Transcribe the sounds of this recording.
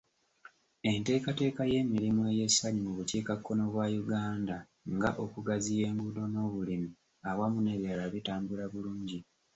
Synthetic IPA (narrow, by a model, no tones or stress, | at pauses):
e̞nte̞ːkate̞ːkaje̞ːmiɾimueje̞sːaɲimuβuciːkakːo̞no̞βwaːjuɡaːnda | ŋɡaʔokuɡazije̞ːŋɡudo̞no̞ːβulimi | awamuneβalaβitaːmbulaβuluːɲɟi